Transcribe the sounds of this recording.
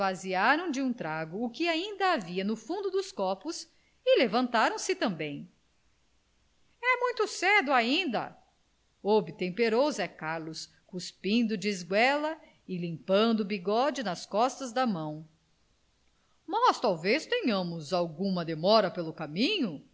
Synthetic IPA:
vaziaɾɐ̃w̃d͡ʒɪũt̪ɾaɡʊːkɪaĩnd̪ɐaviɐnʊfũnd̪ʊd̪ʊskɔɾpʊs | ɪlevɐ̃nt̪aɾɐ̃w̃sɪt̪ɐ̃mbẽj̃ | ɛmũj̃t̪ʊsɛd̪ʊaĩnd̪ɐ̰ | obɪt̪ẽmpeɾozɛkaɾlʊs | kuspĩnd̪ʊd͡ʒɪzɡwɛlɐ | ɪlĩmpɐ̃nd̪ʊbiɡɔd͡ʒɪnɐskɔst̪ɐzd̪ɐmɐ̃w̃ | mast̪awvest̪ẽɲɐ̃mʊzawɡũmɐd̪emɔɾɐpelʊkamĩɲʊ

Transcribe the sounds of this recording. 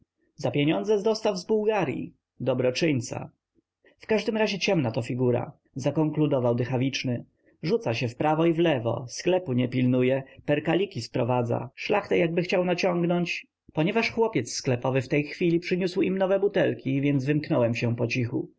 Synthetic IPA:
zapʲjeɲɔnd̪zɛzɔst̪awzbuwɡaɾʲjḭ | d̪ɔbɾɔt͡ʂɘɲt̪sa̰ | fkaʐd̪ɘmɾaʑɛt͡ɕɛmnat̪ɔfʲiɡuɾa̰ | zakɔŋklud̪ɔvawd̪ɘxavʲit͡ʂnɘ | ʐut̪saɕɛfpɾavɔivlɛvɔ̰sklɛpuɲɛpʲilnujɛpɛɾkalʲikʲispɾɔvad̪za̰ʂlaxt̪ɛjaɡ̚bɘxt͡ɕawnat͡ɕɔŋɡnɔɲt͡ɕ | pɔɲɛvaʂxwɔpʲjɛt̪sːklɛpɔvɘft̪ɛjxfʲilʲipʂɘɲuswimnɔvɛbut̪ɛlkʲivʲjɛnd̪zvɘmknɔwɛmɕɛpɔt͡ɕixṵ

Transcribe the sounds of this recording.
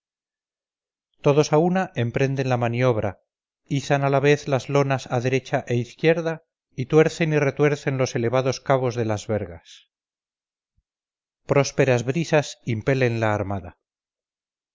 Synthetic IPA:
t̪o̞ðo̞saunaʔe̞mpɾe̞nd̪e̞nlamanio̞βɾʔa | iθanalaβe̞θlazlo̞nasaðe̞ɾe̞t͡ʃaʔe̞iθkje̞ɾða | it̪we̞ɾθe̞nire̞t̪we̞ɾθe̞nlo̞se̞le̞βaðo̞skaβ̞o̞zðe̞lazβe̞ɾɣas | pɾo̞spe̞ɾazβɾisasimpe̞le̞nlaːɾmaða

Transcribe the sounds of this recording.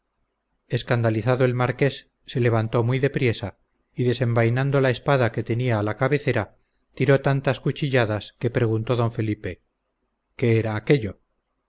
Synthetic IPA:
e̞skand̪aliθaðoe̞lmaɾke̞sː | e̞le̞βant̪o̞mwijðe̞pɾje̞sa | iðe̞se̞mbajnãnd̪o̞lae̞spaðake̞t̪e̞niaːlakaβe̞θe̞ɾa | t̪iɾo̞t̪ant̪askut͡ʃiʎaðaske̞pɾe̞ɣ̞unt̪o̞ðo̞ɱfe̞lipe̞ | ke̞eɾaːke̞ʎo̞

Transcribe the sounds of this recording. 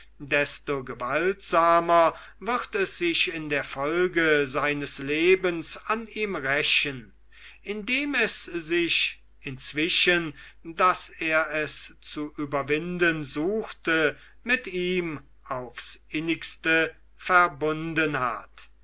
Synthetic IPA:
dɛstoɡəvaltz̥aːmɐ | vɪʁtɛsz̥ɪʃɪndeːɐfɔlɡəzaɪnəsleːbənsaniːmʁɛʃən | ʔɪndeːmɛszɪʃ | ɪnt͡sv̥ɪʃəndaseːɐɛst͡suʔyːbɐvɪndənzuːxtə | mɪtiːm | aʊfsʔɪnɪkstə | fɛɐbʊndənha̰t

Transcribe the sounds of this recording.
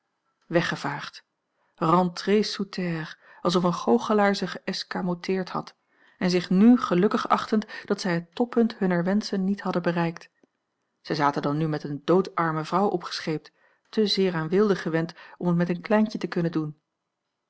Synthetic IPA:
ʋɛχəv̥aːχt | rɑ̃ntresutʰɛr | ɑlˠs̬ɔfənχowχəlaːɹzəχəʔɛskamotʰɪːɹthɑ̰t | ɛnzɪχnyχəlɵkəχɑχtəntd̥ɑtsɛjɦətɔpːɵntɦɵnəɹʋɛnsənːithɑdənbərɛjkt | z̥ɛjzaːtəndɑnːymɛtəndowtɑɹməvrɑwʔɔpχə̥sχejp̚t | təzɪːɹaːnʋɪlˠdəχəʋɛntɔmətmɛtənklɛjɲcətəkɵnəndun

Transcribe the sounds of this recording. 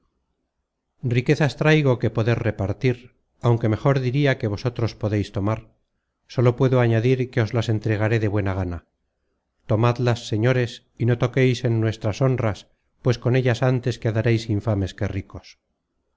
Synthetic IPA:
rike̞θast̪ɾajɣ̞o̞ke̞po̞ðe̞ɾre̞paɾt̪iɾ | awŋke̞me̞χo̞ɾðiɾiake̞β̞o̞so̞t̪ɾo̞spo̞ðe̞jst̪o̞maɾ | so̞lo̞pwe̞ðoaɲaðiɾke̞o̞zlase̞nt̪ɾe̞ɣ̞aɾe̞ðe̞βwe̞naɣ̞ana | t̪o̞mad̪lasːe̞ɲo̞ɾe̞s | ino̞t̪o̞ke̞jsenːwe̞st̪ɾaso̞ndras | pwe̞sko̞ne̞ʎasant̪e̞skeaðaɾejsiɱfame̞ske̞riko̞s

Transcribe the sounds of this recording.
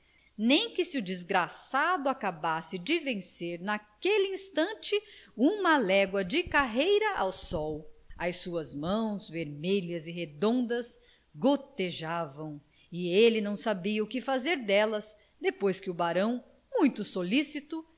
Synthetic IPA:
nẽj̃kɪsɪʊd͡ʒizɡɾasad̪ʊakabasɪd͡ʒɪvẽseɾnakelɪĩst̪ɐ̃nt͡ʃɪũmɐlɛɡwɐd͡ʒɪkaɦejɾɐʔa̰wsɔwɐjsuɐzmɐ̃w̃zveɾmeʎɐzɪɦed̪õnd̪ɐs | ɡot̪eʒavɐ̃w̃ | ɪelɪnɐ̃w̃sabiɐʊkɪfazeɾd̪ɛlɐz | d̪epojskɪʊbaɾɐ̃w̃ | mũj̃t̪ʊsolisit̪ʊ

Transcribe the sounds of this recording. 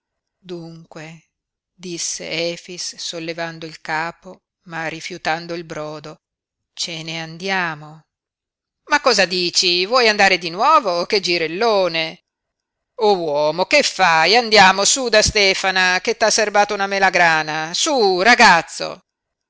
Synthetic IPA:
d̪uŋkwe | d̪isːḛɛːfisːolːevand̪oilkaːpo | marːifjut̪and̪oilbɾɔːd̪o | t͡ʃeneand̪jaːmo | makːɔːzad̪iːt͡ʃivwɔjand̪aːɾed̪inwɔːvoked͡ʒiɾelːoːne | owɔːmokefːajand̪jaːmosud̪ast̪ɛːfanaket̪ːasːerbaːt̪ounamelaɡɾaːnasuraɡat̪sːo̰

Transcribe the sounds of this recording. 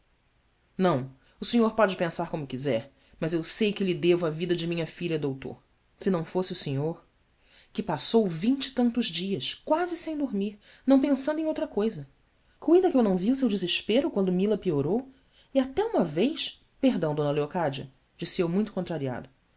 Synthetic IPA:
nɐ̃w̃ | ʊseɲoɾpɔd͡ʒɪpẽsaɾkõmʊkizɛɾ | mɐzewsejkɪlɪd̪evʊavid̪ɐd͡ʒɪmĩɲɐfiʎɐd̪owt̪o̰ɾ | sɪnɐ̃w̃fosɪʊseɲoɾ | kɪpasowvĩɲt͡ʃɪ̥t̪ɐ̃nt̪ʊzd͡ʒiɐʃkwazɪsẽj̃d̪uɾmiɾ | nɐ̃w̃pẽsɐ̃nd̪ẽowt̪ɾɐkojzɐ | kuj̃d̪ɐkɪewnɐ̃w̃vius̬ewd͡ʒɪzɪʃpeɾʊkwɐ̃nd̪ʊmilɐpioɾow | iat̪ɛũmɐvejs | peɦd̪ɐ̃w̃d̪õnɐleokad͡ʒiɐ | d͡ʒisɪewmũj̃t̪ʊ̥kõt̪ɾaɾia̰d̪ɐ

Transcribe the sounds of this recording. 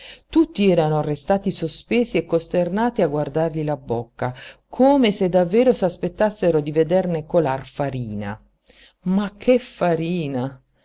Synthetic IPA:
t̪ut̪ːiɛːɾanorest̪aːt̪isospeːsiekːost̪ernaːt̪iaɡward̪arʎilabokːakʰoːmesed̪ːavːɛːɾosaspet̪ːasːeɾod̪ived̪ernekolarfaɾiːna̰ | makʰːefːaɾiːna

